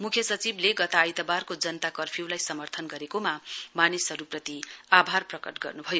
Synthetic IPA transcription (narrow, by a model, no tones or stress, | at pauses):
mukʰjʌsʌt͡sibleɡʌt̪aːjt̪ʌbarkod͡zʌnt̪akʌrpʰiwlajsʌmʌrt̪ʰʌnɡʌɾekomamanisʌɾuprʌt̪iabʱarprʌkʌʈɡʌ̰rnubʱʌjo